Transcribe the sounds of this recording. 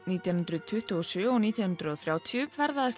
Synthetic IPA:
niːt̪jawnʏnt̪ɾʏðt̪ʰʏht̪uɔsʏːɔɣniːt̪jaw̪nʏnt̪ɾʏðɔθɾjaːwt̪ʰijʏvɛɾðaðs

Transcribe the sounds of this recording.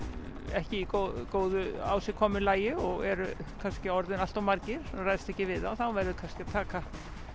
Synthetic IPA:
ɛhcɪikokoːwðʏa̰ːwsɪkʰɔːmʏlaːjɪɔɣɛɾʏkʰanscɪɔɾðɪnal̥t̪awmaɾcɪɾ̥ɔrajðst̪ɛhcɪvɪðaθawvɛɾðʏkʰanscɪaðt̪ʰaːka

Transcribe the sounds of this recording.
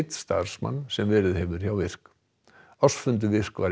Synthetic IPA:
t̪st̪a̰r̥sma̰nːsɛmvɛːɾɪðhɛvʏɾ̥çjawvɪr̥k | ɔsfʏnt̪ʏvɪr̥kvaɾ

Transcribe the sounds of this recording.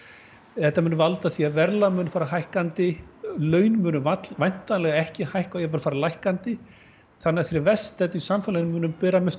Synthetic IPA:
θɛht̪ːamʏːnʏvalt̪aθiːaðvɛɾlamʏːnʏfaːɾaɦajhkant̪ɪlœːɥnmʏːnʏvat̪lvajn̥t̪alɛɣaɛhcɪhajhkajɛvʏːlfaːɾalajhkant̪ɪ | θanːɪθfɪɾɪɾvɛst̪ɛt̪isamfɛlanʏmːʏːnʏmpɛːɾamɛs

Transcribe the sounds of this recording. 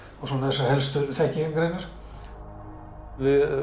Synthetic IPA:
ɔsɔnaɛsahɛlst̪ʏθɛhcɪenkɾejnaɾ̥ | vɪ

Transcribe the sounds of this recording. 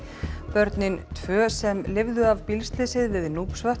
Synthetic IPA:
pœɾt̪nɪnt̪ʰvœːsɛmlɪvðʏavpilst̪lɪsɪðvɪðnuːpsvaht̪

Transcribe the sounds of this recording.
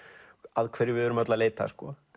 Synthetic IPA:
aðkʰv̥ɛɾːɪɾvɪðɛɾʏmat̪laleːjt̪a̰skɔ

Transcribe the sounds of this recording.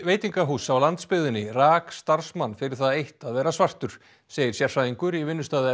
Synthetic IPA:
veːjt̪iŋkaɦuːsawlant̪spɪðɪnːɪraːkst̪aɾ̥smanfɪɾɪɾ̥θaðejht̪aðvɛːɾasvar̥t̪ʏɾ̥ | seːjɪ̥sjɛɾ̥fɾaðiŋkʏɾivɪnːʏst̪aːðɪ

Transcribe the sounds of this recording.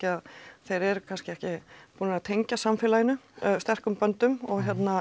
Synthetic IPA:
cɪaðθejɾɛɾkʰanscɪɛhcɪpuːnɪɾat̪ʰejɲcasamfɪːlajɪnːʏst̪ɛr̥kʏmpœnt̪ʏmɔɣçjɛt̪na

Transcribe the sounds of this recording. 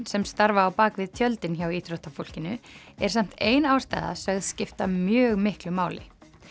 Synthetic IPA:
sɛmst̪aɾvaːwpaːkvɪðt̪ʰjœlt̪ɪnçawiːt̪ɾɔht̪afowl̥cɪnʏɛɾ̥sam̥t̪eːjnawst̪a̰jða̰sœɣðscɪft̪amjœːɣmɪhklʏmaːwlɪ

